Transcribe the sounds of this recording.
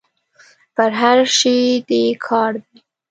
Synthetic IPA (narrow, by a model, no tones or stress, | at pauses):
pəɾɦaɾʃed̪ekʰɑɾd̪i